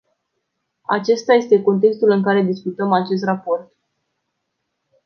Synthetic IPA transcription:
a̰t͡ʃe̞st̪aje̞st̪e̞ko̞nt̪̬e̞kst̪ulɨŋkaɾe̞d̪iskut̪əmat͡ʃe̞s̬t̪rapo̞rt̪

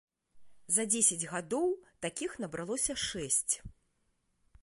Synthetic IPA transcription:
zɐd͡zʲesʲɐd͡zʲɣad̪ɔwt̪akʲixnɐbɾalˠɔsʲɐʂɛsʲt͡sʲ

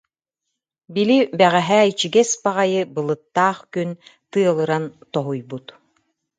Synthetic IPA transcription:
bilibɛʁɛɦæːit͡ɕiɡɛsbaʁajɯbɯlˠɯt̪ːaːχkynt̪ɯɐlˠɯɾant̪ɔɦujbut̪

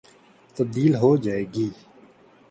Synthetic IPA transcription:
t̪əb̚d̪iːlɦoːd͡ʒaːeːɡiː

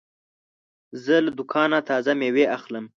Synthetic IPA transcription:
zəlad̪ʊkʰɑnat̪ʰɑzameweaxləm

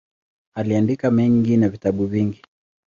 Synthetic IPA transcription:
aliandikamɛŋɡinavitaɓuviŋɡi

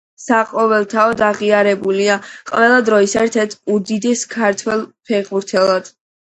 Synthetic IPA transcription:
saqʼɔvɛlˠt̪ʰaɔd̪aʁiaɾɛbuliaqʼvɛlˠad̪ɾɔisɛɛɾt̪ʰɛɾt̪ʰud̪id̪ɛskʰaɾt̪ʰwɛlˠpʰɛʁuɾt̪ʰɛlˠad̪̥

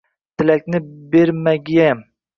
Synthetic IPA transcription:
t̪ʰɪlakʲnɪbeɾmaɡʲijam

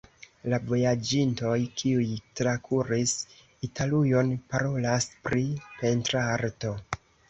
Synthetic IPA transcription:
lavo̞jad͡ʒinto̞jkʰiujtɾakʰuɾis | itʰalujo̞npaɾo̞laspɾipe̞ntɾaaɾto̞

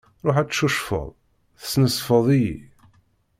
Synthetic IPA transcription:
ɾˤoħæt͡sːʃuʃfə̰ðˤ | θə̥snəsˤfəðˤijḭ

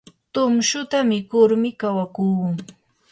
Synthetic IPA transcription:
t̪ʊmʃʊt̪amɪkʊɾmɪkawakuːŋ

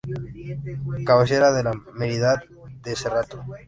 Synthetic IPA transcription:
kaβeseɾaðelameɾiðat̪̚ | d̪eserat̪o

